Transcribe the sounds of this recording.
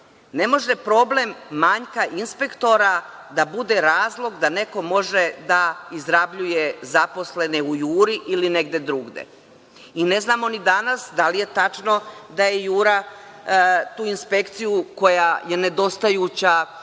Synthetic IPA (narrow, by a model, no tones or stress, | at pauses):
ne̞mo̞ʒe̞pɾo̞ble̞mːaɲkaʔinspe̞kt̪o̞ɾa | d̪abud̪e̞ɾaːzlˠo̞ɡd̪ane̞ko̞mo̞ʒed̪aizɾabʎujezapo̞sle̞neujuːɾiʔiline̞ɡd̪e̞d̪ɾuːɡd̪ḛ | ine̞znaːmo̞nid̪anasd̪alije̞t̪at͡ʂno̞d̪ajejuːɾa | t̪uːinspe̞kt̪sijuko̞jaje̞ne̞d̪o̞st̪ajut͡ɕa